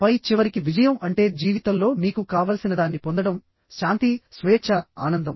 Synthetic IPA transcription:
pɐjt͡ʃiʋɐɾikiʋid͡ʒɐjɐmɐɳʈe̞ːd͡ʒiːʋit̪ɐmlo̞ːniːkukaːʋaːlɐsinɐd̪aːnːipo̞nd̪ɐɽɐm | ʃaːnt̪isʋeːt͡ʃɐa̰ːnɐnd̪ɐm

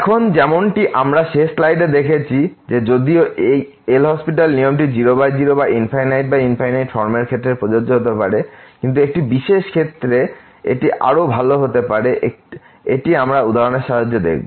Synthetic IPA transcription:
ɛkʰond͡ʑɛmonʈiʔamɾaʃeʃlajɖed̪ekʰet͡ɕʰi | d͡ʑed͡ʑod̪ioʔej | elɦɔspiʈalnijomʈid͡ʑiɾobajd͡ʑiɾobaʔinpʰajnajʈ̚bainpʰajnajʈfɔɾmeɾkʰet̪ːɾepɾod͡ʑod͡ʑoɦot̪̬epaɾekint̪̬uek̚ʈibiʃeʃkʰet̪ːɾe | ḛʈiʔa̰ɾobʱaloɦot̪epaɾeʔe | eʈiamɾaud̪ʱaɾoneɾʃaɦod͡ʑːod̪ḛk̚ʰbo

